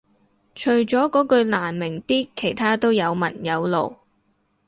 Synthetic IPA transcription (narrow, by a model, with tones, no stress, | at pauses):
t͡ʃʰɵ˨˩ɥt͡ʃɔː˨˥kɔː˨˥kɵ˧ɥlaː˨˩nmɪ˨˩ŋt̪iː˥kʰe˨˩jt̪ʰaː˥t̪o˥wjɐ˨˧wmɐ˨˩njɐ˨˧wlo̰˨˩w